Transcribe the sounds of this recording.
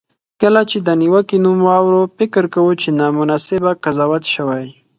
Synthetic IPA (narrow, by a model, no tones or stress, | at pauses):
kəlat͡ʃed̪əniwəkinumwɑwɾofɪkɾkawut͡ʃenɑmʊnasɪbakazɑwat̪ʃəwaj